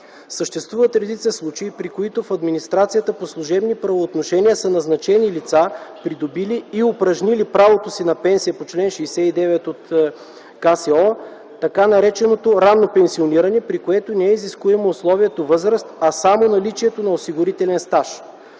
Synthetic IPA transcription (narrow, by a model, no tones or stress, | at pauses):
səʃt̪ɛst̪vuvət̪ɾɛd̪it̪səslˠut͡ʃeipɾikoit̪ofɐd̪minist̪ɾat̪sijət̪əposlˠʊʒɛbnipɾɐvoːt̪noʃɛniəsənɐznɐt͡ʃɛnilit̪sapɾid̪obiliːopɾɐʒnilipɾavot̪osinɐpɛnsijəpot͡ʃlɛnʃɛːsɛid̪ɛvɛt̪ot̪ | kasɛɔ | t̪ɐkanɐɾɛt͡ʃɛnot̪oɾanːopɛnsioniɾɐnɛpɾikoɛt̪onɛɛiziskuɛmɛoslˠɔviɛt̪ovɤzɾəst̪ɐsamonɐlit͡ʃiɛt̪onɐosiɡʊɾit̪ɛlɛnst̪aʃ